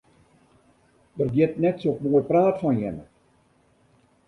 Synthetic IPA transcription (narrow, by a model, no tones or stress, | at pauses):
dərɡjɪtnɛtsokmoːjpraːtfɔnjɪ̰nə̰